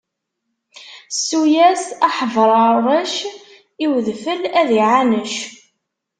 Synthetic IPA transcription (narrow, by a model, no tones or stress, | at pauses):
sːujæsɑħəvɾˤɑɾˤəʃ | iwðfəlæðiʕanəʃ